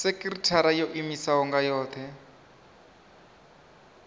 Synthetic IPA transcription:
sekʼiritʰaɾajoʔimisaɦɔŋɡajɔːt̪ʰɛ

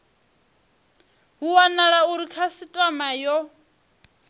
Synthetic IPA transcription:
ɦuwanaɺauɾikʰasitʼamajɔ

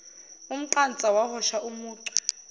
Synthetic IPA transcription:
um̩ǃant͡sʼawahɔʃaʔumuːǀwɛ̥

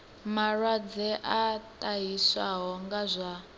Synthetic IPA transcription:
marwad͡zɛʔatʼaɦiswaɦɔŋɡazʷa

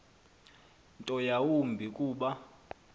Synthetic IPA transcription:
ntʼɔjawumbʱikʼuːɓa

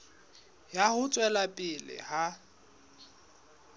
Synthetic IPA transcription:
jahʊt͡sʼwɛlapʼɪlɪ̰ha

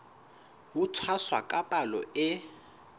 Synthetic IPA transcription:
ɦutʰwaswakʼapʼalɔɪ

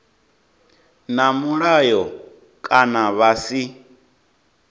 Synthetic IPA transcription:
namuɺajɔ | kʼanaβasi

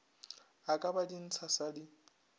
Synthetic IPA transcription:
akʼabadin̩t͡sʰasadɪ

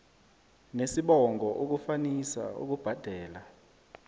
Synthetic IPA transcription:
nesiɓɔŋɡʱɔʔok̬ufanisa̰ṵk̬ub̥ʱad̥ʱɛːla

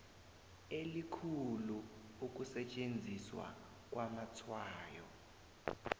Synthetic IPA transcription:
elikʰulu | uk̬ʼusɛt͡ʃʼend͡zʱiswa̰ | k̬ʼwamat͡sʰwaːjɔ

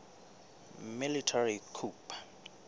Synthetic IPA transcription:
militʰarikʰuːpʰʼḁ

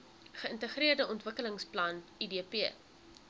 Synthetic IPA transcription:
χəəntəχɾiərdəɔntvəkələŋsplɐnidiəpiə

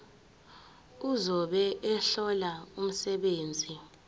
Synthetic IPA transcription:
uzɔɓɛʔɛɬɔlaum̩sɛɓeːnd͡zʱi

